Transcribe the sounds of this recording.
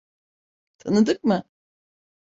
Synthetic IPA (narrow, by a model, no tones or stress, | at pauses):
t̪ʰanɯd̪ɯk̚mɯ